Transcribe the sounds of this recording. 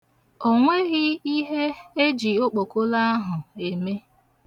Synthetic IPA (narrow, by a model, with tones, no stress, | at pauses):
o˦ŋʷe˦ɣɪ˦i˦ɦe˦e˦d͡ʒi˨o˦k͡po˨ko˦la˦a˦ɦʊ˨e˨me˦